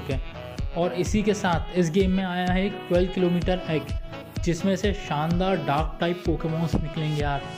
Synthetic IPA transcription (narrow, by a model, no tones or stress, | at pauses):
kẽː | ɔːɾɪsikesaːt̪ʰɪs̬ɡeːmːẽaːjaɦɛːk̚ʈwɛːlʋkɪloːmiːʈəɾɛːk | d͡ʒɪsmẽseʃãːnd̪aːɾɖaːɾk̚ʈaːɪpːoːkemɔ̃ːnsnɪklẽːŋɡejaːɾ